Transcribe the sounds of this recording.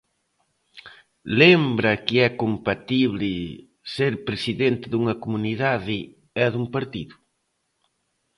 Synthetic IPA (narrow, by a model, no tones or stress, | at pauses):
lembɾɐkɪɛkompat̪iβlɪ | seɾpɾesiðent̪ɪðuŋɐkomuniðaðɪ | ɛðuŋpaɾt̪iðʊ